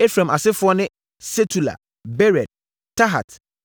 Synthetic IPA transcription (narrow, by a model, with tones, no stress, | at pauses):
e˦fɾã˨ma˨sɪ˦fʊ˦ɔ˦nɪ̃˦ | se˦tʰu˨la̰˨ | bɛ˦ɾɛ˨d̚ | tʰːa˦ɦa̰˨t